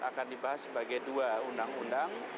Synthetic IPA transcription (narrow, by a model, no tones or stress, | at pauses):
a̰kandibaɦasːəbaɡajduaundaŋundaŋ